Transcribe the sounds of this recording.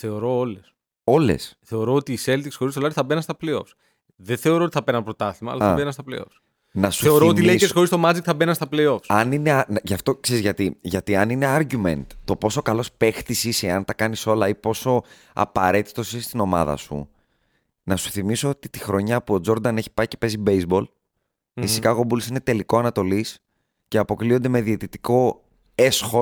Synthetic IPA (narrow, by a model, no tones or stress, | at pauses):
θe̞o̞ɾo̞oles | o̞le̞̰sθe̞o̞ɾo̞ot̪iːse̞lt̪iksxo̞ɾist̪o̞lɐɾiθɐbenɐnst̪ɐpleo̞̰fs | ðeθe̞oɾo̞ot̪i̥θɐpeɾnɐnpɾoot̪ɐθimɐ̰lɐθɐbenɐnst̪ɐplḛo̞̰fs | nɐsuθe̞oɾoot̪ileikesxo̞ɾist̪o̞mɐd͡zekt̪θɐbenɐnst̪ɐplejo̞fsɐnine̞ɐnʝɐft̪o̞kseɾizʝɐt̪iʝɐt̪iɐnine̞ɐɾʝume̞̰nt̪t̪ːo̞po̞so̞kɐlo̞spe̞xt̪isiseɐnt̪ɐkɐniso̞lɐipo̞so̞ | ɐ̰pɐɾe̞t̪i̥t̪o̞sist̪ino̞mɐ̰ðɐ̰sṵ | nɐsu̥θimiso̞ot̪it̪ixɾo̞ɲɐpuo̞d͡zo̞ɾd̪ɐne̞çi̥pɐice̞pe̞zibejzbo̞l | fisikɐɣobulsine̞t̪e̞liko̞ɐnɐt̪o̞lis | ce̞ɐpo̞kliond̪e̞me̞ðiet̪it̪i̥ko̞ | e̞sxo̞